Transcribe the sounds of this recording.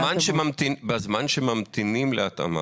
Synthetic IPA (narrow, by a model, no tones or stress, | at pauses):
manʃemamt̪ibazmanʃemamt̪inimleat̪a̰ma̰